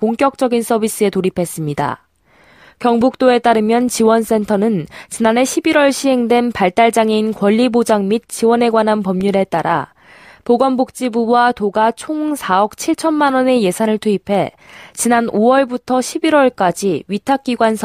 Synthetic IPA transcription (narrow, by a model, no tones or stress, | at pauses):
koŋk͈jʌk̚t͡ɕ͈ʌɡins͈ʰʌbis͈ɯe̞toɾipʰe̞s͈ɯmɲida̰ | kjʌŋbuk̚t͈oe̞t͈aɾɯmjʌnt͡ɕiwʌns͈ʰe̞ntʰʌnɯnt͡ɕinane̞ɕʰibiɾwʌɭɕʰiɦe̞ŋdwe̞npaɭt͈aɭd͡ʑ͈aŋeinkwʌʎːibod͡ʑaŋmit̚t͡ɕ͈iwʌne̞ɡwanɦanpʌmɲuɾe̞t͈aɾa̰ | poɡʌnbuk̚t͡ɕ͈ibuwatoɡat͡ɕʰoŋsʰaʌk̚t͡ɕʰiɭt͡ɕʰʌnmanwʌne̞je̞sʰanɯɭtʰuipʰe̞t͡ɕinanowʌɭbutʰʌɕʰibiɾwʌɭk͈ad͡ʑiɥitʰak̚k͈iɡwansʰ